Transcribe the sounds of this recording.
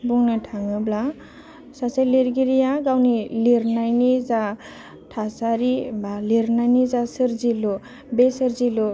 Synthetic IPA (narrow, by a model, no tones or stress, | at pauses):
buŋnɯtʰaŋɯbla | sasajleɾɡiɾijaɡawniliɾnajniza | tʰasaɾibaliɾnajnizasɯɾzilɔ | besɯɾzilɔ